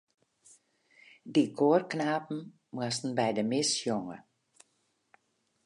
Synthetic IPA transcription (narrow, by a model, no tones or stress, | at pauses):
dikʰoːrknaːpn̩ | mwastn̩bɛjdəmɪsjoŋə̰